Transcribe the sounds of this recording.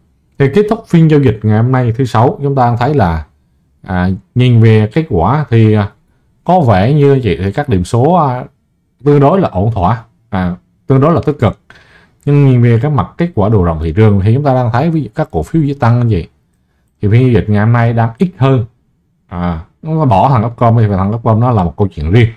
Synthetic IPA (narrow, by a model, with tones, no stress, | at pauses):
t̪ʰi˨˩ke˦˥t̚t̪ʰʊ˦˥k͡p̚fi˧ənzo˧wzï˨˩k̟̚ŋa˨˩jho˧mna˧jt̪ɨ˨˦sa˨˦wt͡ɕʊ˨˦ŋ͡mt̪aː˧aː˧ŋt̪ʰə˨˦jlaː˨˩ | ʔaː˨˩ɲi˨˩nve˨˩ke˦˥t̚kwaː˧˩t̪ʰi˨˩˨ | kɔ˨˦vɛ˧˩ɲɨ˧vḭ˧˨jt̪ʰi˨˩kaː˦˥k̚ɗḭ˧˩əmso˨˦˧ | t̪ɨ˧əŋɗo˨˦jlaː˨˩ʔo˧˩nt̪ʰwaː˧˨ | ʔaː˨˩ | t̪ɨ˧əŋɗo˨˦laː˨˩t̪i˦˥t̚kɨ˨˩k̚ | ɲɨ˧ŋɲi˨˩nve˨˩k̬aː˨˦k̚ma˨˩t̚ke˦˥t̚kwaː˧˩ɗo˨˩zo̰ə̰˧˨wŋ͡mt̪ʰḭ˧˨t͡ɕɨ˨˩əŋt̪ʰi˨˩t͡ɕʊ˨˦ŋ͡mt̪aː˧ɗaː˧ŋt̪ʰə˨˦jvəː˨˦jz̰kaː˦˥kːo̰˧˩fi˨˦wzḭ˧˥˦t̪a˧ŋ˧vḭ˧˨j | t̪ʰi˨˩vi˧ɲzi˧zï˨˩k̚ŋa˨˩jhɔ˧mna˧jɗaː˧ŋʔi˦˥t̚həː˧n | ʔaː˨˩˨a˧˦ɓɔ˧˩t̪ʰa˨˩ŋʔə˦˥p̚kə˧wŋ͡mt̪ʰi˨˩˨t̪ʰa˨˩ŋə˦˥p̚kə˧wŋ͡mnɔ˨˦laː˨˩mo˨˩t̚kə˧wt͡ɕwḭ˧˨ənzi˧ən